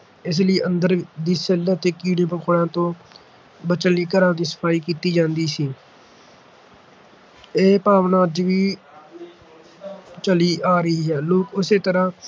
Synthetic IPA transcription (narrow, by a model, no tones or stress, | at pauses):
ɪs̬ləiːʔənd̪əɾd̪iːselət̪eːkiːɽẽːpəkʰɽãːt̪õː | bət͡ʃəlːiːkəɾãːd̪iːsə̥pʰaːiːkiːt̪iːd͡ʒãːnd̪iːsiː | eːpaːʋnaːd͡ʒʋiː | t͡ʃəliːʔaːɾəɦiːɦɛːloːkʊseːt̪əɾãː